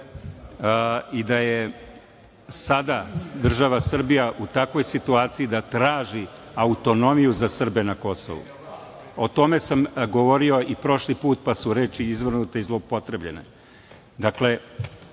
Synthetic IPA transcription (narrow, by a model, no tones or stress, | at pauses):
id̪aje | sad̪ad̪r̩ʒaʋasr̩bijaʔut̪akʋo̞jsit̪uaːt̪sijid̪at̪ɾaːʒi | aut̪o̞no̞mijuzasr̩be̞nako̞so̞̰ʋṵ | o̞t̪o̞me̞samɡo̞ʋo̞ɾio̞ipɾo̞ʃlipuːt̪̚pasuɾe̞ːt͡ʃiizʋr̩nut̪eizlˠopo̞t̪ɾe̞bʎe̞̰nḛ | d̪akle̞